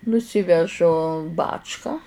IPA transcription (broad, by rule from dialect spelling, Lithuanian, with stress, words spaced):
nʊˈsʲiːʋʲɛʒʊ ˈbɑːt͡ʃkɐ